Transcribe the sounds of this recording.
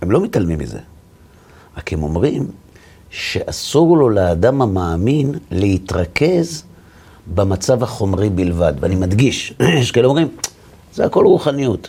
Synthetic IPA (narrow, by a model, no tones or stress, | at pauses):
emlo̞mitalmimːḭze̞̰ | akemo̞mʁim | ʃe̞ʔasuʁlo̞leadamamaːminlehit̪ʁake̞z | bemat͡savaχo̞mʁibilvad̪veanimadɡiʃʃekeno̞mʁim | zeako̞lʁuχanijut